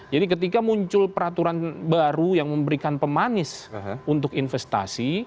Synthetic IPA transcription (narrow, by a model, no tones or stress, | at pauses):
d͡ʒadik̬ət̪ikamuɲt͡ʃʊlpəɾat̪uɾanbaɾujaŋməmbəɾikanpəmanɪsunt̪ʊkinfɛst̪a̰si